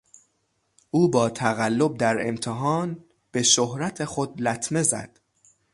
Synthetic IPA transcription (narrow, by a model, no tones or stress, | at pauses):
ʔuːbɒːt̪ʰæɣælːo̞b̚d̪æɾe̞̰mt̪ʰeɦɒːn | b̥e̞ʃohɾæt̪ʰe̞xod̪læt̪ʰme̞zæ̰d̪̥